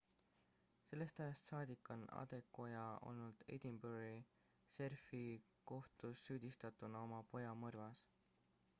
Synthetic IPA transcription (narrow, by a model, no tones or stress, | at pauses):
se̞lːe̞st̪æjɑst̪sɑːd̪̥ikˑːonɑ̰d̪̥e̞kːˑo̞jɑo̞̰lnuld̪̥ḛjd̪̥imbuɾi | se̞rfi | ko̞ht̪usːyːd̪̥ist̪ɑt̪ˑunɑo̞mɑpo̞jɑmɤrvɑs